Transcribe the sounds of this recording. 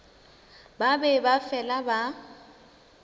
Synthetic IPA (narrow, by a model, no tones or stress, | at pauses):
babɛbafɛlaba